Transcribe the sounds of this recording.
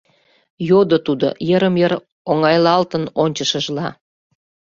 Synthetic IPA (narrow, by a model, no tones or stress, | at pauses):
jod̪ot̪ud̪o̰jəɾəmjəɾ | oŋɑjlɑlt̪ənonʲt͡ɕəʃəʒlɑ